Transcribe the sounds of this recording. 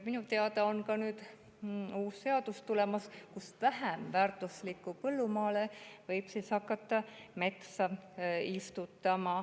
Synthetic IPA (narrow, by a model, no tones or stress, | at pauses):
minut̪e̞ɑt̪ɑonkɑnyːd̪̥ | uːsse̞ɑd̪ust̪ulemɑskusvæɦæmvæːrt̪ˑuslikːˑupɤlːumɑːlevɤjb̥siːshɑkːɑt̪ːˑɑme̞t̪sɑist̪ut̪ːˑɑmɑ